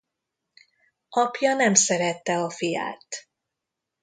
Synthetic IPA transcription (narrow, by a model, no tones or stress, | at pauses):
ɒpjɒnɛmsɛɾɛt̪ːɛɒfija̰ːt̪